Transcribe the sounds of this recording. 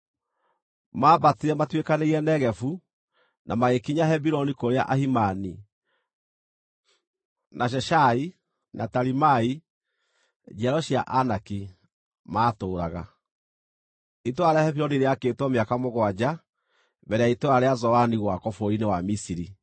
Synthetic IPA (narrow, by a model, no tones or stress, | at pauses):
maːbateɾɛmatwekaneɣiɛnɛɣɛfu | nʔamaɣekiɲahɛbiɾɔnikoɾea̰ʔahimani | nʔaʃ̬ɛʃai | nataɾimai | d͡ʒɛɾɔʃia̰ʔanaki | maːtoːɾaɣa̰ | itoaɾeahɛβiɾɔniɾeakeːtwɔmeakamoɣwad͡ʑa | βɛɾeaitoaɾeazɔaniɣwakɔfoɾinewamisiɾi